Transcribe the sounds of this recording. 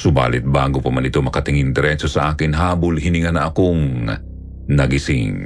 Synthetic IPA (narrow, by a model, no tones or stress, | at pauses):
sʊba̰ːlɪt̪̚baːɡopɐmanɪt̪omɐkɐt̪ɪŋiŋd̪ɛɾɛsosɐʔaːkɪnɦaːbʊlɦinɪŋanɐʔɐkoŋ | nɐɡisɪ̰ŋ